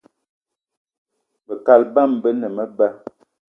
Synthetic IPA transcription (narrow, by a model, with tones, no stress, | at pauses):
bə˨ka˨lba˦˨mbə˦nə˨mə˦bə˦